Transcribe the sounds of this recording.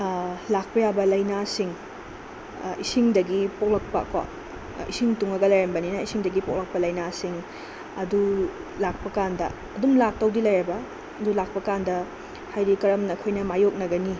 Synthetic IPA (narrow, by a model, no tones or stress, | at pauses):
lak̚pɐjabɐlɐjnasiŋ | isiŋdɐɡipok̚lɐk̚pɐ̰kɐ̰ | isiŋtuŋɐɡɐlɐjɾɐmbɐninɐisiŋdɐɡipok̚lɐk̚pɐlɐjnasiŋ | ɐdulak̚pɐkandɐ̰ːdumlak̚tɐwdilɐjɾɐbɐ | ɐdulak̚pɐkandɐ | hajɾikɐɾɐmnɐːkʰojnɐmajok̚nɐɡɐni